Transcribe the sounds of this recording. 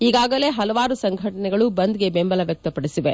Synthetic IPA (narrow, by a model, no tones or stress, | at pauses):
iːɡaːɡɐle̞ːɦɐlɐʋaːɾusɐŋɡʱɐʈɐnɛɡɐɭubɐnd̪ɡe̞bembɐlɐʋjɐk̚t̪ɐpɐɽisiʋe